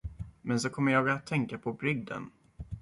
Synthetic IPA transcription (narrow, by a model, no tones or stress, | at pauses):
mɛns̬ɔkʰɔmːəɾjɑːɡat̪ʰːɛŋkapʰɔbɾʏɡd̪ə̰n